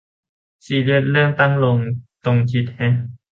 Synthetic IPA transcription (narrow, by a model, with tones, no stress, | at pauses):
siː˨˩le˧˩ət̪̚lɯ˥˩əŋt̪a˥˩ŋlo˧ŋt̪o˧ŋkʰi˦˥t̪̚hɛ˦˥